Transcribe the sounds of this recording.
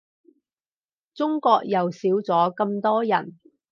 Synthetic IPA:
t͡sʊ˥ŋkɔː˧k̚jɐ˨wsiː˨˥wt͡sɔː˨˥kɐ˧mt̪ɔː˥jɐ˨˩n

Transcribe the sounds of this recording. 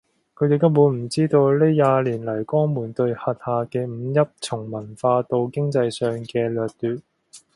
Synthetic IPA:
kʰɵ˨˧jt̪e˨t̪ɐ˥wuː˨˧˥nm̩˨˩t͡siː˥t̪o˧wleː˥jaː˨˧liː˨˩nlɐ˨˩jkɔː˥ŋmuː˨˩nt̪ɵ˧ɥhɐ˨t̚haː˨kɛː˧m̩˨˧jɐ˥p̚t͡sʰʊ˨˩ŋmɐ˨˩nfaː˧t̪o˧wkɪ˥ŋt͡sɐ˧jsœː˨˧ŋkɛː˧lœː˨k̚t̪yː˨˧t̚

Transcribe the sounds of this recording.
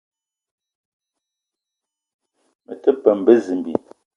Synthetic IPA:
mə̰˨tə˦pə˨m̩˨bə˦zi˨m˨bḭ˨

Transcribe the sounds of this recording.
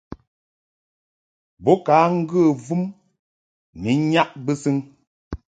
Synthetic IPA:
bɔ˨˦ka˨˦ŋ̩˦ɡə˦˨vu˦m | mi˨˦ɲa˦ʔbɨ˦sɨ˦ŋ

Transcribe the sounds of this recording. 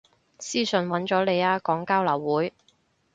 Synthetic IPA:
siː˥sɵ˨nwɐ˨˥nt͡ʃɔː˨˥le˨˧jaː˧kɔː˨˥ŋkaː˥wlɐ˨˩wːuː˨˥j

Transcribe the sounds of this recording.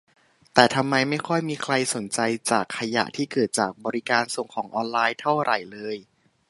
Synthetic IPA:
t̪ɛː˨˩t̪ʰa˧mːa˧jma˥˩jkʰɔ˥˩jmiː˧kʰla˧jso˨˩˦nt͡ɕa˧jt͡ɕaː˨˩kʰːa˧ja̰˨˩ʔt̪ʰiː˥˩kɤː˨˩t̪̚t͡ɕaː˨˩k̚bɔː˧ɾi˦kaː˧nso˨˩ŋkʰɔː˩˦ŋʔɔː˧nlaː˧jt̪ʰa˥˩wɾʔa˨˩jlɤː˧j

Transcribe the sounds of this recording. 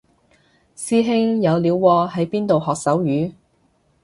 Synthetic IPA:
siː˥ɦɪ˥ŋjɐ˨˧wliː˨˧wwɔː˧ɦɐ˨˥jpiː˥nt̪o˨whɔː˨k̚sɐ˨˥wjyː˨˥

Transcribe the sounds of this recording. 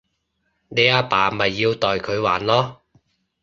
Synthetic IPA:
ne˨˧jaː˧paː˨˩˨mɐ˨jːiː˧wt̪ɔː˨jkʰɵ˨˧ɥwaː˨˩nlɔː˥

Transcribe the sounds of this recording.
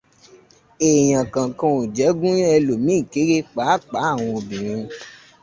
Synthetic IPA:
e˨j̃ã˨kã˨kã˧o˨d͡ʒɛ˨˦ɡũ˦j̃ã˦ɛ˧lo˨mĩ˨˦˨ke˨˦ɾe˦k͡pa˨˦˨k͡pa˨˦a˦˨w̃ɔ̃˧o˧bĩ˨ɾ̃ĩ˧

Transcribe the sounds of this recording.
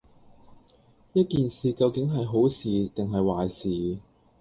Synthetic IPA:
jɐ˥t̚kiː˨nsiː˨kɐ˧wkɪ˨˥ŋɦɐ˨jɦo˨˥wsiː˨t̪ɪ˨ŋɦɐ˨jwaː˨jsiː˨

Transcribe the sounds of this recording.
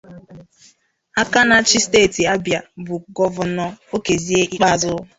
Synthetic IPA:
a˦ka˦na˦t͡ʃi˦steː˦˨ti˨a˦bja˨bʊ˨ɡɔ˦vʊ˨nɔ˦o˦ke˨zi˦e˦ʔi˦k͡pa˦˨zʊ˦

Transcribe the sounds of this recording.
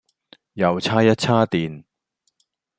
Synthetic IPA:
jɐ˨wt͡sʰaː˥jɐ˥t̚t͡sʰaː˥t̪iː˨n

